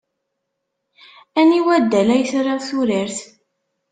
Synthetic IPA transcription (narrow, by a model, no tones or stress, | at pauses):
æniwæd̪ːælæjəsɾəʁθuɾiɾθ